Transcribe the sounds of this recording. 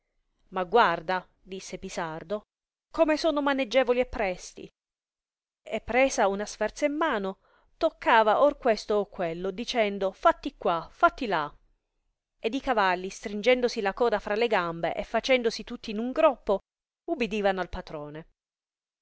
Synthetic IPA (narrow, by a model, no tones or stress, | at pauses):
maɡward̪a | d̪isːepisard̪o | komesoːnomaned͡ʒːɛːvoliepːɾɛst̪ḭ | epːɾeːzaunasfɛrt̪saimːaːno | t̪okʰːaːvaʔorkwest̪oːkːwelːod̪it͡ʃɛnd̪ofat̪ːikwafat̪ːila | ed̪ikavalːist̪ɾind͡ʒɛnd̪osilakɔːd̪afɾaleɡambḛʔefːat͡ʃɛnd̪osit̪ut̪ːiːnuŋɡɾɔpːo | ubid̪iːvanoalpat̪ɾoːne